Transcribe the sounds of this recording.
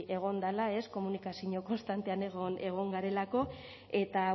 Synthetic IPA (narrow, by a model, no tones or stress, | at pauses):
e̞ɣ̞o̞nd̪alae̞sko̞munikasiɲo̞ko̞nst̪ant̪e̞aneɣone̞ɣ̞o̞ŋɡaɾe̞lako̞ | e̞t̪a